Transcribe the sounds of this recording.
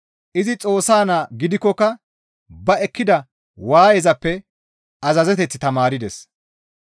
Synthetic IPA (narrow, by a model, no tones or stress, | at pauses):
ʔɪzɪt͡sʼo̞ːsːaːnaːɡɪd̪ɪkːɔkːɐ | bɐɛkːɪd̪ɐ | waːjɛzɐpːɛ | ɐzɐzɛt̪̬ɛt͡sːɪt̪ɐmaːɾɪd̪ɛs